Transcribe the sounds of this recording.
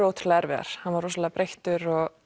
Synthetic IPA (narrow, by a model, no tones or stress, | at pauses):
owt̪ʰɪ̥ɾlɛɛɾvɛða̰ɾ̥hanvaɾɔsɔlaːpɾejht̪ʏɾɔɣ